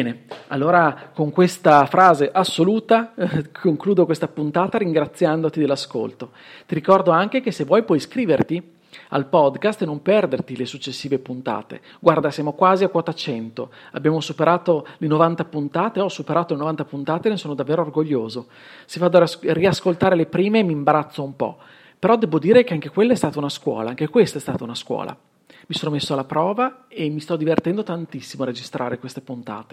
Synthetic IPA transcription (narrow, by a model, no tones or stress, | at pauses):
bbɛːnealːoːɾakoŋkwest̪afɾaːzeʔasːoluːt̪akʰoŋkluːd̪okwest̪apunt̪aːt̪aɾiŋɡɾat̪sːjand̪ot̪id̪elːasko̰lt̪o | t̪iɾikɔrd̪oaŋk̟ek̟esevːwɔjpwɔjskɾiːvert̪i | a̰lpɔd̪kast̪enompɛrd̪ert̪ilesut͡ʃːesːiːvepunt̪a̰ːt̪ḛ | ɡward̪asjaːmokwaːziakwɔt̪at͡ʃɛnt̪oa̰bjaːmosupeɾʔaːt̪olenovant̪apunt̪aːt̪eɔsupeɾaːt̪olenovant̪apunt̪aːt̪enesoːnod̪avːeːɾoːrɡoʎːoːzo | sivad̪oriaskolt̪aːɾelepɾiːmeːmimbaɾat̪sːoumpɔ̰ | peɾɔd̪ɛːbod̪iːɾekeaŋk̟ekwelːaɛst̪aːt̪aunaskwɔ̰ːlaaŋkekwest̪aɛst̪aːt̪aunaskwɔ̰ːla̰ | misoːnomesːoalːapɾɔːvaemist̪ɔd̪ivert̪ɛnd̪ot̪ant̪isːimoared͡ʒist̪ɾʔa̰ːɾekwest̪epunt̪a̰ːt̪e̥